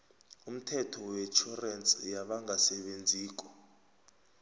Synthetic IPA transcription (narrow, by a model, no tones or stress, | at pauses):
um̩tʰɛtʰɔwɛt͡ʃʰurɛnt͡sʼjaɓaŋɡʱasɛɓend͡zʱiːk̬ʼɔ̥